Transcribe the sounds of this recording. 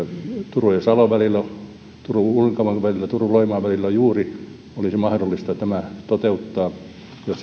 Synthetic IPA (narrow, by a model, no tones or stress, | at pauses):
t̪urujesɑloʋælilːæ | t̪uruuleŋkɑmɑʋælilːæt̪uruloimɑːʋælilːæjuːri | olisimɑhdolːist̪ɑt̪æmæt̪ot̪eut̪ːɑː | jos